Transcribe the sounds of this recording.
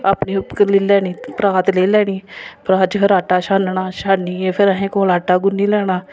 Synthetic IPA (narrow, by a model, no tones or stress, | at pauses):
aːpniːʊpkəɾliːlɛːniːpɾaːt̪leːlɛːñiːpɾaːt͡ʃkʰɪɾaːʈaːʃaːnɳaːʃaːniːepʰɪɾəɦẽːkõːlaːʈaːɡʊniːlɛːɽ̃aː